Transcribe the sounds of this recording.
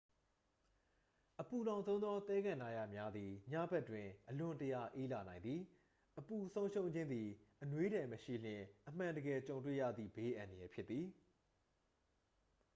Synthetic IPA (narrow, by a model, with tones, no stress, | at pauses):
ʔəpu˨lã˨ʊ̃nsʰõ˦ʊ̃nd̪ɔ˦t̪ɛ˦ɡã˨na˨ja̰˨mja˦d̪ði˨ɲa̰˦˨bɛ˦ʔtwɪ̃˨ʔəlʊ̃˨ntəja̰˦˨ʔe˦la˨nã˨ɪ̃nd̪i˨ | ʔəpu˨sʰõ˦ʊ̃ʃõ˦ʊ̃ɲd͡ʑɪ̃˦nd̪i˨ʔənwe˦ɾɛ˨məʃḭ˦˨l̥ɪ̃˨ʔəm̥ã˨ndəɡɛ˨t͡ɕõ˨ʊ̃ntwḛ˦˨jä̰˦˨d̪ðḭ˦˨be˨˦ʔã˨ndə˨jɛ˨pʰjɪ˦t̪t̪ːi˨